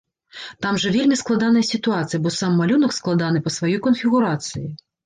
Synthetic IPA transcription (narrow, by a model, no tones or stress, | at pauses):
t̪amʐɐvʲelʲmʲisklˠad̪an̪ɐjɐsʲit̪uat̪sɨjɐbɔsamːalʲunɐksklˠad̪an̪ɨpɐsvajɔjkɔnfʲiɣuɾat̪sɨji